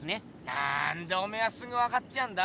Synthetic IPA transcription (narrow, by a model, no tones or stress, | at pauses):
ɯne | na̰ndʌmeas͈ɯŋɡɯwakat̚t͡ɕ͈iɦanda